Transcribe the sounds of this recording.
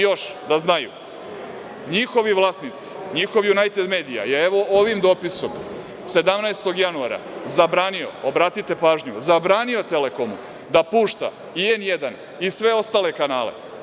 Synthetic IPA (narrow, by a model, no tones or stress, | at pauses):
jo̞ʃd̪aznajṵ | ɲixo̞ʋiʋlˠaːsnit̪si̥ɲixo̞ʋjunajt̪ed̪me̞ːd̪ija̰jeeʋo̞ʔoʋimd̪o̞ːpiso̞m | se̞d̪amnaest̪o̞ɡjanuaːɾa̰zabɾaːnio̞̰obɾaːt̪it̪e̞paːʒɲuzabɾaːnio̞t̪ele̞ko̞mṵ | d̪apuːʃt̪a̰ | ienjed̪an | isʋe̞o̞st̪aːle̞kanaːlḛ